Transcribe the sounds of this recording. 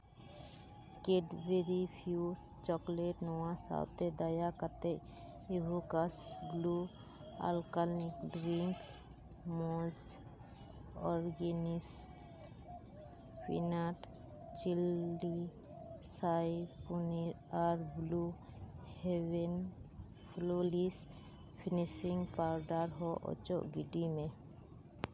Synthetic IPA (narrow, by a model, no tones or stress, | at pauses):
keɖbeɾipʰjus | t͡ʃɔkleʈnɔwãsa̰wt̪ed̪əjakəɾt̪e | ibukasblu | a̰lkalikɖɾiŋk | mɔd͡ʒ | ɔɾɡenis | pʰḭnaʈ | t͡ʃili | sajpuniɾ | aɾblu | hewen | pʰlolis | pʰinisiŋɡpawɖaɾɦɔʔɔ̰t͡ʃɔ̰ʔɡiɖimẽ